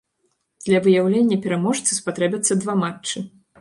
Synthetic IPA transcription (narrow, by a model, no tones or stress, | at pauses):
d̪̥lʲɐvɨjawlʲenʲːɐpʲɛɾamɔʂt̪sɨspat̪ɾɛbʲɐt̪sːɐd̪vamat͡ʂt͡ʂːɨ